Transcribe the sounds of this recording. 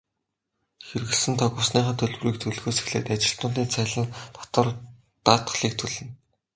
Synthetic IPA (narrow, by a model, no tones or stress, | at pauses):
xerɣɘ̆ɮsɘ̆nt̪ʰɔɣʊːsniːχaːt̪ʰɵɮw̆riːk̚t̪ʰɵɮɣoːse̥xɮḛːt̪at͡ɕɪ̆ɬt̪ʊːnt̪̬iːnt͡sʰæːɮə̆nt̪ʰḁt̪ə̆r | t̪aːt̪ɮiːk̚t̪ʰɵɮɘ̆n